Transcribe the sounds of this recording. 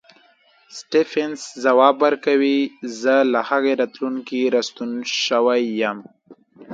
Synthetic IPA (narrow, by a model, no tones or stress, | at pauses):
sʈefenszawɑːbaɾkawizəlahaɣeɾat̪lunkiɾast̪unʃəwajam